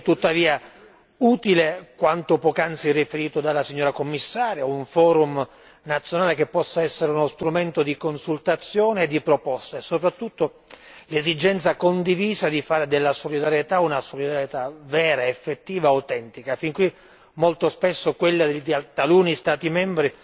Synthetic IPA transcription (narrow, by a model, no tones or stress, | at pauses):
t̪ːut̪ːaviːa | uːt̪ilekwant̪opɔkant̪sirifeɾiːt̪od̪alːasiɲːoːɾakomːisːaːɾjauɱfɔːɾum | nat̪sjonaːlekepːɔsːaɛsːeɾeunost̪ɾument̪od̪ikonsult̪at̪sːjoːneːd̪ːipɾopɔst̪aesːopɾat̪ːut̪ːo | lezid͡ʒɛnt̪sakond̪iviːzad̪ifaːɾed̪elːasolid̪aɾjet̪aunasolid̪aɾjet̪avɛːɾaefːet̪ːiːvaat̪ɛnt̪ikafiŋkwi | molt̪ospesːokwelːad̪t̪aluːnist̪aːt̪imɛmbɾi